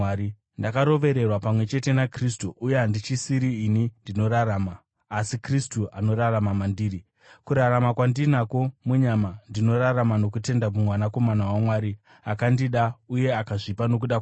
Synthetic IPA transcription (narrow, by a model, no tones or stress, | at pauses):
i | ndakaɾo̞ʋe̞ɾe̞rwapamwe̞t͡ʃe̞te̞nakristuʔːjeɦandit͡ʃisiɾiːnindino̞ɾaɾaːmaː | sikristuʔano̞ɾaramamandiːɾi | kuɾaɾamakwandinako̞muɲamandino̞ɾaɾamano̞kute̞ndamumwanako̞manawamwaːɾi | akandiɗauje̞akaʐipano̞k̬uɗa